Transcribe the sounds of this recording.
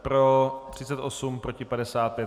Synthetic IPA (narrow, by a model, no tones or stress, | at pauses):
pɾot̪r̝̥ɪt͡sɛt̪ʔosumpɾocɪpadɛsaːt̪̚pjɛ